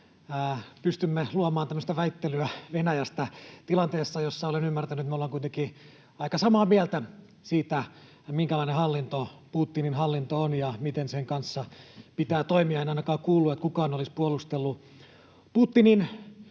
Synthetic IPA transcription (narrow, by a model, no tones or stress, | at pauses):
pyst̪ymːeluɑmɑːnt̪æmːøst̪æʋæit̪ːelyæʋenæjæst̪æt̪ilɑnt̪eːsːɑjosːɑolenymːært̪ænytet̪meolɑŋkuit̪eŋki | ɑikɑsɑmɑːmiælt̪æ | siːt̪æ | miŋkælɑinehɑlːint̪opuːt̪ːininhɑlːint̪oonjɑmit̪enseŋkɑnsːɑpit̪æːt̪oimiɑenɑinɑkɑːkuːlːuet̪kukɑːnolispuolˑust̪elːu | puːt̪ːinin